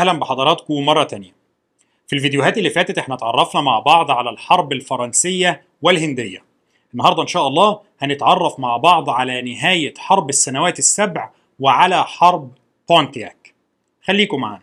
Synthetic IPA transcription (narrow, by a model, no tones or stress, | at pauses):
hlæmbeħɑd̪ˤɑɾˤɑːt̪komɑrˤːɑt̪ænjæ | filvid̪ejoɦæːt̪ɪlːifæːt̪æt̪ʔeħnæt̪ʕɑrˤːɑfnɑmaʕbɑʕd̪ˤʕalælħɑɾˤbɪlfɑɾˤɑnsɪjːæ | wɪlhɪnd̪ɪjːæ | ʔɪnːɑɦɑːɾd̪ˤɑʔenʃæːʔɑlˤːɑː | hænɪt̪ʕɑrˤːɑfmaʕbɑʕd̪ˤʕalænɪɦæːjæħɑɾˤbɪsːænæwæːt̪ɪsːæbʕ | wɪʕalæħɑɾˤb | t̪ont̪jæ̰ːk | xælːiːkʊmaʕan